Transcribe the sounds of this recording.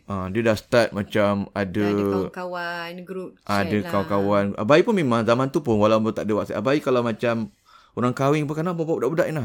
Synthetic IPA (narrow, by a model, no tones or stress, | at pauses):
ʔadiədasə̥t̪at̪̚mãt͡ʃamadəkawanɡɾudəkakawanɡʔabaiʔpʊnmemãŋzamant̪upʊnwalawmbt̪a̰ʔdəwaʔsaʔabaikalamat͡ʃam | oɾaŋkawɪŋpəkanaʔbabaudaʔbudaʔinlah